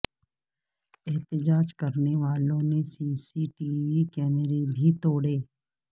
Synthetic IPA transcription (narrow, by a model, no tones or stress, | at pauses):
ɛɦt̪ɪd͡ʒaːd͡ʒkɐɾneʋaːlõnesiːsiʈiːʋikɛːməɾebʱit̪oːɽeː